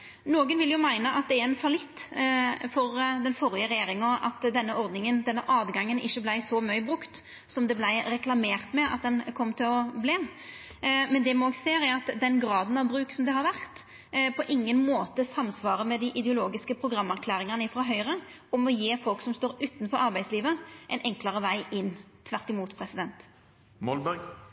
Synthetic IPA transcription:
noːɡənʋɪljʊmæɪnəʔɑt̪̚d̪ɛæɾɛnfɑlɪt̪ːfɔɾd̪ɛnfɔɾɪəɾɛjeːɾɪŋɔʔɑt̪ːd̪ɛnːəʔɔʁd̪nɪŋənd̪ɛnːəʔɑːd̪ɡɑŋːənɪ̰çːəblæɪsɔmœʏbɾʉkt̪ | sɔmd̪ɛblæɪɾɛklɑmeːʁt̪mɛɑ̰t̪̚d̪ɛnkʰɔmːt̪ʰɪlɔbleːm | mɛnd̪ɛmɑnoːɡseːɾæɾɑt̪d̪ɛnɡɾɑːd̪n̩ɑʋbɾʉːksɔmd̪ɛhɑɾʋæʁt̪ | pʰɔʔɪŋːənmoːt̪əsɑmsʋɑːʁəmɛd̪ɪʔɪd̪ɛʊloːɡɪskəpʰɾʊɡʁɑmːæʁkʰlæːʁɪŋɑnəɪfɾɑɦœʏʁə | ɔmɔjeːfɔlksɔmst̪oːɾʉːt̪n̩fɔɾɑɾbæɪd̪sliːʋəʔɛɪnʔɛŋkləʁəʋæɪʔɪnː | t̪ʰʋæʁt̪ɪmuːt̪pʰɾɛsɪd̪ɛnt̪ | mɔlbæɡ

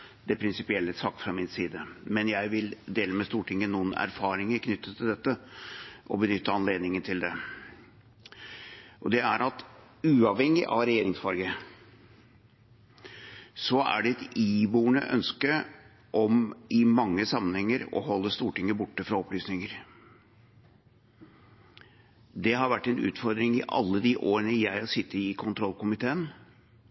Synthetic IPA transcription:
d̪̥ɛpʰɾɪnsɪpɪɛlːəsɑkt̪fɾɑmɪnsiːd̪əmɛnjæɪʋɪld̪eːləmɛst̪uːʈʰɪŋːənuːənæ̰ɾfɑːɾɪŋəɾkʰnʏt̪ːət̪ʰːɪld̪ɛt̪ːəʔɔbənʏt̪ːəɑnleːd̪nɪŋənt̪ʰɪld̪ɛ | ʔɔd̪ɛæɾɑt̪ | ʉːɑʋhɛŋːɪ̰ʔɑ̰ʋɾɛjeːɾɪŋsfɑɾɡə | sɔæ̰ɖɛɛt̪iːbuːɳə̰ʔœ̰nskə | ʔɔmɪmɑŋːəsɑmːənhɛŋːəɾɔ̰ɦɔlːəst̪uːʈɪŋːəbʊʈːəfɾɑɔplyːsnɪŋəɾ | d̪ɛɦɑɾʋæʈːɛnʉ̰ːt̪fɔɾd̪ɾɪŋɪʔɑ̰lːəd̪iʔoːɾəɳəjæɪɑsɪt̪ːəɾɪkʰʊnt̪ʰɾɔlːkʊmɪt̪ʰeːən

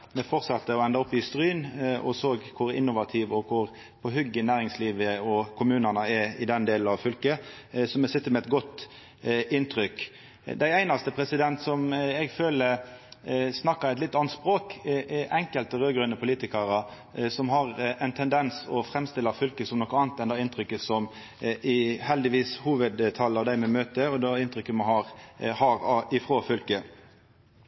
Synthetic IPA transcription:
mɛfɔʁtsɑt̪ːəɔɛnd̪ɑɔpːɪst̪ɾyːnɔ̰soːɡkʰʊɾɪ̰nːʊʋɑt̪ʰɪʋɔkʰʊʁ | pʰɔɦʏɡːənæːɾɪŋsliːʋəɔkʰʊmʉːnɑnəɛɪd̪ɛnd̪eːln̩ɑʋfʏlkə | sɔmɛsɪt̪ːəmɛɛt̪ɡɔt̪ː | ʔɪnt̪ʰɾʏk | d̪æɪæɪnɑst̪əpʰɾɛsɪd̪ɛnt̪sɔmɛɡføːlə | snɑkːəɛt̪lɪt̪ːɑnt̪spɾoːkʔɛŋkəlt̪əʁøːɡɾʉnəpʰʊliːt̪ɪkɑɾə | sɔmɦɑɾɛɪnt̪ʰɛnd̪ɛnsɔfɾɛmst̪ɪlːɑfʏlkəsɔmnɔkəɑːnt̪ɛnɑːɪnt̪ɾʏkːəsɔm | ɪhɛld̪ɪʋiːshuːʋəd̪t̪ʰɑlːɑʋd̪æɪmɛmøːt̪əɔd̪ɛɪnt̪ɾʏkːəmɑhɑɾhɑɾɑɪfɾoːfʏlkə

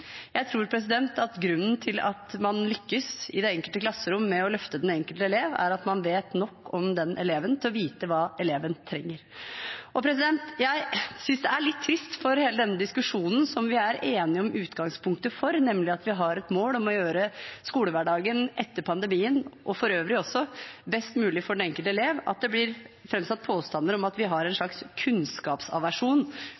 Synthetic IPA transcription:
jæɪt̪ʰɾuːɾpʰɾɛs̬ɪd̪ɛnt̪ɑt̪ɡɾʉnːnt̪ʰɪlɑ̰t̪mɑnlʏkːəsɪd̪ɛɛŋkəlt̪əklɑsːəɾʊmːɛɔlœft̪əd̪ɛnɛŋkəlt̪əɛleːʋæ̰ɾɑt̪mɑnʋeːt̪nɔkːɔmd̪ɛnʔɛleːʋənt̪ʰɪlɔʋiːt̪əʋɑːɛleːʋənt̪ʰɾɛŋːəɾʔɔpʰɾɛs̬ɪd̪ɛnt̪jæɪsʏnsd̪ɛæɭɪt̪ʰːɾɪst̪fɔɾheːləd̪ɛnːəd̪ɪskʉʂuːnn̩sɔmʋɪæɾeːnɪɔmʔʉːt̪ɡɑŋspʰʊŋk̚t̪əfɔɾnɛmlɪɑt̪ʋɪɦɑɾɛt̪moːlɔmɔjøːɾəskuːləʋæɖɑːɡənʔɛt̪ːəɾpʰɑnd̪əɛmiːənʔɔfɔɾøːʋɾɪɔsːɔbɛst̪mʉːlɪfɔɖɛnɛŋkəlt̪əɛleːʋɑ̰t̪̚d̪ɛblɪɾfɾɛmsɑt̪̚ːpʰoːst̪ɑnəɾɔmɑt̪ʋɪɦɑɾɛnʂɭɑkskʰʉnskɑːpsɑ̰ʋæʂuːn

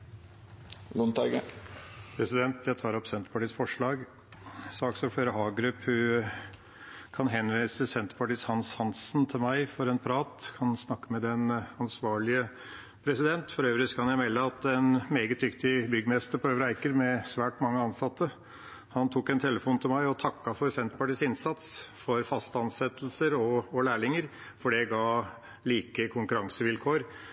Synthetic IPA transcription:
lʊnt̪ʰɑɡəpʰɾɛsɪd̪ɛnt̪ʰjæɪt̪ʰɑːɾɔpsɛnt̪əpɑʈiːsfɔʂɭɑːɡ | sɑːksɔfœɾəɦɑːɡɾʉphʉ | kʰɑnɦɛnʋiːsəsɛnt̪ə̥pɑʈiːshɑnshɑnsnt̪ʰɪlmæɪfɔɾɛnpʰɾɑːt̪kʰɑnsnɑkːəmɛd̪ɛnɑnsʋɑːɭɪə | pʰɾɛsɪd̪ɛnt̪fɔɾøːʋɾɪskʰɑnjæɪmɛlːəɑt̪ɛnmeːɡət̪̚d̪ʏkt̪ɪbʏɡəmɛst̪əɾpʰɔøːʋɾæɪkəɾmɛsʋæːʈmɑŋːəɑnsɑt̪ːə | hɑnt̪ʰuːkɛnt̪ʰɛləfuːnt̪ʰɪlmæɪɔt̪ʰɑkːɑfɔɾsɛnt̪ə̥pɑʈiːsɪnsɑt̪sfɔɾfɑst̪əɑnsɛt̪lsəɾɔɔlæːɭɪŋəɾfɔɖɛɡɑː | liːkəkʰʊŋkʉɾɑŋsəʋɪlkʰoːɾ

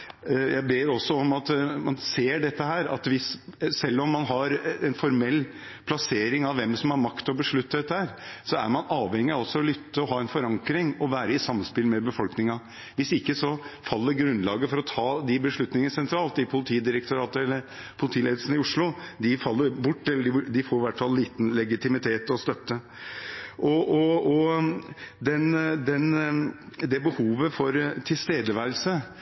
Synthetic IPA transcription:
jʔæɪbeːɾɔsːɔɔmɑt̪mɑnseːɖɛt̪ːəhæːɾɑ̰t̪ʋɪssɛlːɔmːɑnɦɑɾɛnfɔɾmɛlː | pʰlɑseːɾɪŋɑʋʋɛmsɔmhɑɾmɑkt̪ɔbəʂɭʉt̪ːd̪ɛt̪ːəhæːɾsɔæ̰ɾmɑnɑːʋhɛŋːɪɑɔsɔɔlʏt̪ːəɔɦɑːɛnfɔɾɑŋkɾɪŋɔʋæːɾəɪsɑmːənspɪlmɛbəfɔlknɪŋɑ | ʋɪsɪkːəsɔfɑlːəɾɡɾʉnd̪lɑːɡəfɔɾɔt̪ʰɑːd̪ɪbəʂɭʉt̪nɪŋəsɛnt̪ʰɾɑːlt̪ɪpʰʊlɪt̪ʰiːd̪ɪɾɛkt̪ʰʊɾɑːt̪əɛlːəɾ | pʰʊlɪt̪ʰiːleːd̪l̩sən̩ɪʊʂɭʊd̪ɪfɑlːəɾbʊʈːɛlːəɖɪɖɪfoːɾɪʋæʈfɑlːiːt̪n̩lɛɡɪt̪ɪmɪt̪ʰeːt̪ɔst̪œt̪ːə | ʔɔɔɔ | d̪ɛnd̪ɛn | d̪ɛbəhuːʋəfɔɾt̪ʰɪlst̪eːd̪əʋæɪl̩sə

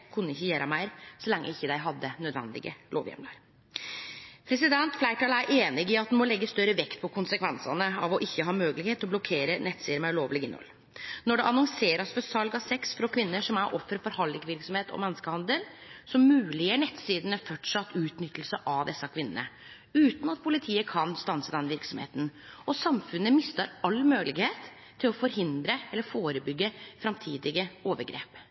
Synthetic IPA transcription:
kʰʉnːəɪçːəjæːɾɑmæɪɾsɔlɛŋːə̰ɪçːəd̪æɪɦɑd̪ːənœd̪ʋɛ̰nd̪ɪ̰ɡə̰lo̰ːʋjɛ̰mlɑɾ | pʰɾɛs̬ɪd̪ɛnt̪flæɪʈɑːlæɾʔeːnɪɡɪɑt̪̚nmɔlɛɡːəst̪œɾəʋɛkt̪pʰɔkʊnsəkʰʋɛnsɑ̰nəɑʋɔʔɪçːəɦɑːmøːɡəlɪɡheːt̪ɔblɔkʰeːɾənɛt̪siːd̪ɾəmæɪloːʋlɪɡɪnːɔ̰l | nɔɖɛʔɑnɔŋseːɾɑsfɔɾsɑlɡɑsɛksfɾɔkʰʋɪnːəʂɔmæɾʔɔfːɾəfɔɾhɑlːɪɡʋɪɾksɔmheːt̪ɔ̰mɛnːəskəhɑnd̪əlsɔmːʉːlɪjəɳɛt̪ːsiːd̪əɳəfɔʈʂɑt̪ːʉːt̪nʏt̪ːəlsəʔɑʋd̪ɛsːəkʰʋɪnənə̰ | ʉːt̪n̩ɑt̪̚pʰʊlɪt̪ʰiːəkʰɑnst̪ɑnsəd̪ɛnʋɪɾksɔmhḛːt̪nɔsɑmfʉnːəmɪst̪əɾɑlːmøːlɪɡheːt̪ʰː | ɪlɔfɔɾɦɪnd̪ɾəɛlːəɾfoːɾəbʏɡːəfɾɑmt̪ʰiːd̪ɪɡəoːʋəɾɡɾḛːp

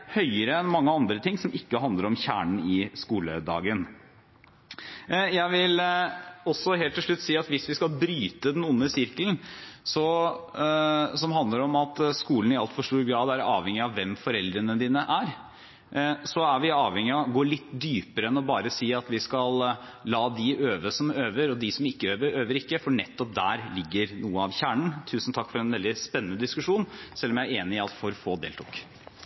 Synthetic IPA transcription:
hœʏəɾəɛnmɑŋːəɑnd̪ɾət̪ʰɪŋːsɔmʔɪkːəɦɑnd̪ləɾɔmçæ̰ːɳɳ̩ɪskuːlə̰d̪ɑ̰ːɡən | jæɪʋɪl | ɔsːɔɦeːlt̪ːɪʂɭʉt̪ːsiːɑt̪ʋɪsʋɪskɑlbɾyːt̪əd̪ɛnʊnːəsɪɾkəln̩sɔ | sɔmɦɑnd̪ləɾɔmɑt̪skuːln̩ɪɑlt̪fɔʂʈuːɾɡɾɑːd̪æɾɑ̰ːʋhɛŋɪɑʋʋɛmfɔɾɛld̪ɾənəd̪iːnəʔæɾ | sɔæɾʋɪɑːʋhɛŋːɪɔɡoːlɪt̪ːd̪yːpəɾəɛnɔbɑːɾəsiːɑt̪ʋɪskɑllɑːd̪ɪʔøːʋəsɔmøːʋəɾɔd̪ɪsɔmɪkːəøːʋəɾøːʋəɾɪkːəfɔɳɛt̪ːɔp̚d̪æ̰ːɾlɪɡːəɾnuːəɑʋçæːɳɳ̩t̪ʰʉːsn̩t̪ʰɑkːfɔɾɛnʋɛld̪ɪspɛnːənəd̪ɪskʉʂuːnsɛlːɔmjææɾeːnɪɪɑlt̪fɔɾfoːd̪ḛːlt̪ʰʊ̰k

